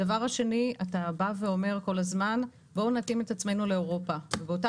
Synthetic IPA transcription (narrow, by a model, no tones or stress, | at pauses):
davaʁhaʃe̞niatabave̞o̞me̞ʁko̞lazman | bo̞natime̞tat͡sme̞nule̞oʁo̞pavebeota